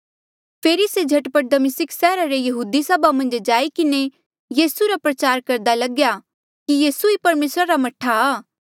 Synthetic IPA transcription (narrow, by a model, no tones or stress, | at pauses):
pʰeːɾised͡ʒʱɐʈpəʈ̚d̪ɐmɪsɪksɛːɾaɾejɐɦuːd̪isɐbamɐ̃nd͡ʒd͡ʒaːikɪne | jiːsuɾapɾɐt͡ʃaːɾkɐɾd̪alɐɡja | kijiːsuipɐɾmeːsɾaɾamɐʈʰːaː